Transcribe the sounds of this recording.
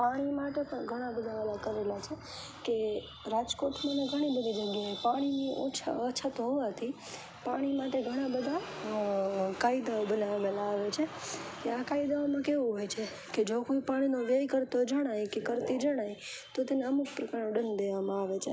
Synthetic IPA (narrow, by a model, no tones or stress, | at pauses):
paɽ̃imaʈepəɳɡʱəɽ̃ãbəd̪ʱaʋelakəɾelat͡ʃʰe | ke | ɾad͡ʒkoʈmãneɡʱəɽ̃ibəd̪ʱid͡ʒəɡjaepaɽ̃inio̰t͡ʃʰaət͡ʃʰat̪oɦoʋat̪ʰi | paɽ̃imaʈeɡʱəɽ̃ãbəd̪ʱa | kaid̪aobənaʋelaːʋet͡ʃʰekeakaid̪aomãkeʋuɦojt͡ʃʰe | ked͡ʒokojpaɽ̃inoʋejkəɾt̪od͡ʒəɽ̃ajkekəɾt̪id͡ʒəɽ̃ajt̪ot̪eneəmuk̚pɾəkaɾnoɖənd̪eʋamãaʋet͡ʃʰe